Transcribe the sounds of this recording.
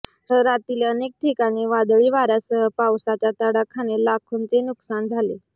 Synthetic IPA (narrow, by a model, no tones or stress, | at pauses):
t̪əɾat̪ileənek̚ʈ̪ʰikaɽ̃iːʋad̪ɭiːʋaɾjasəɦəpawsat͡ɕjat̪əɽakʰːañelakʰunt͡senuksand͡zʱale